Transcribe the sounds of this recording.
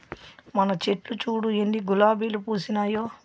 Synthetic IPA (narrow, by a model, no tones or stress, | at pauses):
mɐnɐt͡ʃe̞ʈlut͡ʃuːɽujeɳɖiɡulaːbiːlupuːsinaːjoː